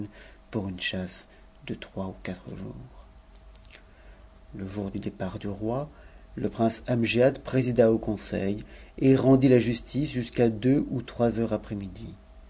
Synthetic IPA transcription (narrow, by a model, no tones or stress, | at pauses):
npuʁynʃas | d̪̥ət̪χwaukʲat̪χəʒṵːʁ | ləʒuʁd̪yd̪epaʁd̪yʁwaləpχɛ̃samʒead̪pχezid̪aokɔ̃sɛ̰jeʁɑ̃d̪ilaʒyst̪isʒyskad̪øut̪χwazœʁapχɛmid̪i